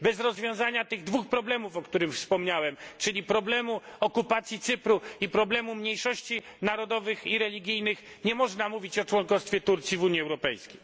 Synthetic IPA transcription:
bɛzɾɔzvʲjɔ̃w̃zaɲat̪ɘɣd̪vuxpɾɔblɛmufɔkt̪uɾɘmfspɔmɲawɛmt͡ʂɘlʲipɾɔblɛmuɔkupat̪sʲjit̪sɘpɾuipɾɔblɛmumɲejʂɔɕt͡ɕinaɾɔd̪ɔvɘxiɾɛlʲiɡʲijnɘx | ɲɛmɔʐnamuvʲit͡ɕɔt͡ʂwɔnkɔst̪fʲjɛt̪uɾt̪sʲjivuɲiɛwɾɔpɛjskʲej

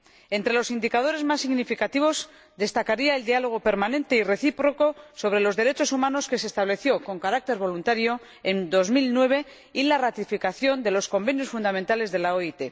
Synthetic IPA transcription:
e̞nt̪ɾe̞lo̞sind̪ikað̞o̞ɾe̞zmasːiɣnifikat̪iβ̞o̞s | d̪e̞st̪akaɾiaeld̪ialo̞ɣ̞o̞pe̞ɾmanẽ̞nt̪e̞ire̞θipɾo̞ko̞so̞β̞ɾe̞lo̞zðe̞ɾe̞t͡ʃo̞sumãno̞ske̞sest̪aβle̞θjo̞ko̞ŋkaɾak̚t̪eɾβo̞lunt̪aɾjo̞ | end̪o̞zmilnwe̞βe̞ | ilarat̪ifikaθjo̞nd̪e̞lo̞sko̞mbe̞njo̞sfund̪ament̪ale̞zðe̞laoit̪e̞

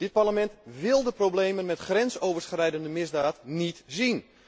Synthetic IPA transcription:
d̥ɪt̚paɹləmɛntʋɪlˠdəprowblejmənmɛtχrɛnsowvərskrɛjdəndəmɪzdaːtnitzin

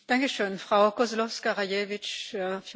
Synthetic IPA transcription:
d̥aŋkəʃøːnfʁ̥aʊkɔzlɔfskaʁajeːvɪt͡ʃəf

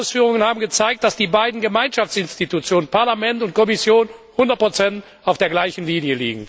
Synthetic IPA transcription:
ʊsfyːʁʊŋənhaːbm̩ɡət͡saɪk̚t̚d̥asd̥iːbaɪdn̩ɡəmaɪnʃaft͡sɪnstitut͡sjoːnənpaɐlamɛntʊnt̚kʰɔmɪsjoːnhʊndɐt̚pʰʁ̥ot͡sɛnt | aʊfd̥eːɐɡlaɪçn̩liːnjəlḭːɡŋ̩

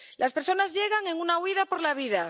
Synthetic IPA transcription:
lʔaspeɾso̞nazʎe̞ɣ̞aŋeŋunawiðapo̞ɾlaβ̞iða

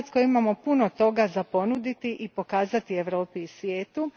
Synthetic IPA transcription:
t̪skojimamo̞punot̪o̞ɡazapo̞nud̪it̪iʔipo̞kaːzat̪ieʋɾo̞ːpiːsʋjeːt̪u

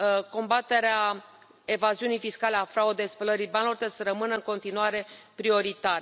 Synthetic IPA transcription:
ko̞mbat̪e̞ɾea | e̞vaziunijfiskaleafɾaud̪espələɾijbanlort̪esɾəmɨnəɨŋko̞nt̪inuaɾe̞pɾio̞ɾit̪aɾe

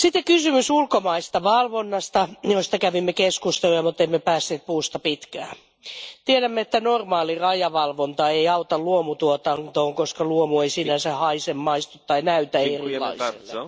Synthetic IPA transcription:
sit̪ːekysymysulkomɑist̪ɑʋɑlʋonːɑst̪ɑjost̪ɑkæʋimːekeskust̪elujɑmut̪ːeimːepæːsːeːt̪̚puːst̪ɑpit̪kæː | t̪ieɾæmːeet̪ːænormɑːlirɑjɑʋɑlʋont̪ɑeiɑut̪ɑlluomut̪uot̪ɑnt̪oːŋkoskɑluomueisiːnæsehɑisemːɑist̪ut̪ːɑinæyt̪æeriilɑ̰iḛlːe

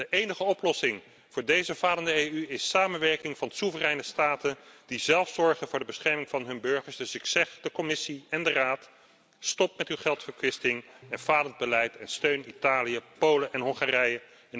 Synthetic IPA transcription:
dəʔejnəχəɔplɔsɪŋ | v̥ʊːɹdejzəvaːləndəejyɪsːaːmənʋɛɹkɪŋvɑnsuvərɛjnəstaːtənd̥izɛlˠfsɔɹχənvʊːɹdəbəsχɛɹmɪŋvɑnɦɵnbɵɹχəɹsdɵsɪksɛχdəkɔmɪsiɛndəraːt | stɔp̚mɛtywχɛlˠtfəɹkʋɪstɪŋɛnv̥aːlənd̚bəlɛjtɛnstøɥnitaːlijəpowləʔɛnɦɔŋχaːrɛjə | ɛn

